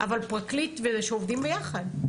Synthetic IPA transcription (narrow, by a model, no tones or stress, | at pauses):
ʔavalpʁaklitvezʃeovdimbejaχad̪